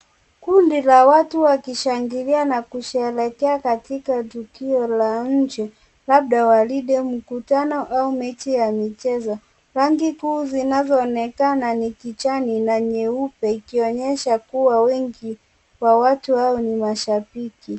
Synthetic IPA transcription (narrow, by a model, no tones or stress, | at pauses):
kundilawatuwakiʃaŋɡilianakuʃɛlɛkɛakatikatukiɔlaɲ̩d͡ʒɛ | laɓ̚ɗawaliɗɛm̩kutanɔʔaumɛt͡ʃijamit͡ʃɛzɔ | ɾaŋɡikuːzinazɔːnɛkananikit͡ʃaninaɲɛupɛikiɔɲɛʃakuwawɛŋɡi | wawatuhaɔnimaʃapiki